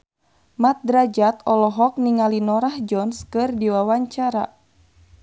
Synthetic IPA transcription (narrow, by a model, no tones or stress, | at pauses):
mat̪̚dɾad͡ʒat̪ɔlɔɦɔk̚niŋalinɔɾahd͡ʒɔnskɨrdiwawaɲt͡ʃaɾa̰